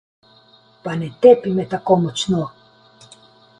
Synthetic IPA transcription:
panɛt̪epimɛt̪akomɔt͡ʃno

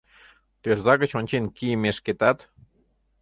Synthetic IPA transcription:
t̪ørzɑɣə̆t͡ɕonʲt͡ɕenkimeʃket̪ɑt̪

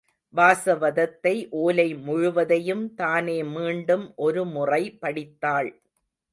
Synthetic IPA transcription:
baːsɐʋɐðɐt̪ːɐɪʔoːlɐɪmʊɻʊʋɐðɐjɯmt̪aːneːmiːɳɖɯmʔɔɾɯmʊrɐɪpɐɽɪt̪ːaːɭ

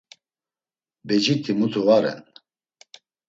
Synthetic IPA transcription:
bɛd͡ʒit̪ʰimut̪ʰuvaɾɛ̰n

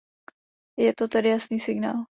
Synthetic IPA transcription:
jɛt̪ot̪ɛdɪjasniːsɪɡna̰ːl

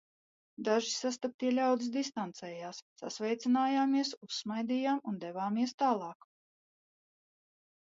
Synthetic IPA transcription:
d̪aʒisast̪ap̚t̪iɛlʲawd̪isd̪is̬t̪ant̪sɛːjaːsːa̰svɛjt̪sinaːjaːmiɛsusːmajd̪iːjaːmund̪ɛvaːmiɛst̪aːlˠɑːk

